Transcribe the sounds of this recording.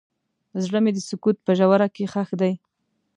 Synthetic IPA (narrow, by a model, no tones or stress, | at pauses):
zɽəmed̪əsʊkut̪̚pəʒawaɾakexaxd̪aj